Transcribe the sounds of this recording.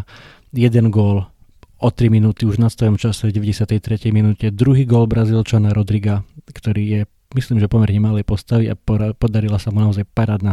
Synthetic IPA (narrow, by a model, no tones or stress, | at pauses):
jɛd̪ɛnɡʊɔl | ʔɔt̪ɾiminuːt̪iuʒnat̪st̪ɔjɔmt͡ʃasɛɟɛʋɛɟɛsɪat̪ɛjt̪ɾɛcɛjminuːcɛd̪ɾuɦiːɡʊɔlbɾazilt͡ʃanaɾɔd̪ɾiɡakt̪ɔɾiːjɛ | misliːmʒɛpɔmɛɾɲɛmalɛjpɔst̪aʋia̰pɔd̪aɾilasamunaɔzajpaɾaːd̪na